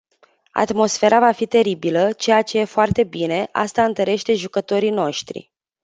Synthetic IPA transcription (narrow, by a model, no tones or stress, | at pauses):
a̰t̪mo̞sfe̞ɾavafit̪e̞ɾibilət͡ʃe̞jat͡ʃe̞je̞foart̪e̞bine̞ʔa̰st̪aɨnt̪əɾe̞ʃt̪e̞ʒukət̪o̞ɾino̞ʃt̪ɾḭ